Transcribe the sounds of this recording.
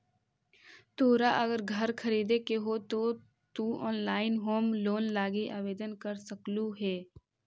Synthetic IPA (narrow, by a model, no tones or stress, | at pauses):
t̪oːɾaʔɐɡəɾɡʱɐɾkʰɐɾiːd̪ekeɦot̪o | t̪uɔːnlaːɪnɦoːmloːnlaːɡiʔaːʋeːd̪ənkəɾsəkluɦɛː